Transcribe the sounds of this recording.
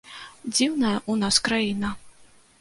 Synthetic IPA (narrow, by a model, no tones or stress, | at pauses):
d͡zʲiwnɐjɐʔunaskɾajinɐ